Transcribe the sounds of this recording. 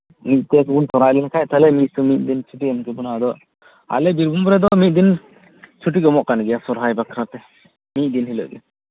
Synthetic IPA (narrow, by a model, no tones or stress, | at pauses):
mit̪̚ˀt̪ɛkunt̪ɔɾalinkʰajt̪alɛmit̚sumit̪̚ˀd̪int͡ʃʰuʈiɔmkɛbunad̪ɔʔ | a̰lɛbiɾbumbɾɛd̪ɔmit̪̚ˀd̪in | t͡ʃʰuʈ̬iɡɔmɔʔkanɡɛjasɔɾɦajbakʰɾat̪ɛ | mit̪̚ˀd̪inɦilɔ̰ʔɡɛ